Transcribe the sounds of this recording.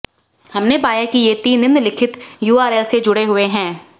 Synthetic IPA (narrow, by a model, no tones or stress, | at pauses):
hɐmnepaːjakijet̪iːnɪ̃nd̪lɪkʰɪt̪juːaːɾeːlsed͡ʒʊɽeɦʊeɦɛ̃ː